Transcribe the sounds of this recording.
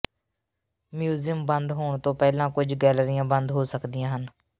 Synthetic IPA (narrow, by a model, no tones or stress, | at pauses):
mjuːzɪjəmbənd̪ɦoːɳt̪õːpɛːlãːkʊd͡ʒɡɛːləɾɪjãːbənd̪ɦoːsəkd̪ɪjãːɦən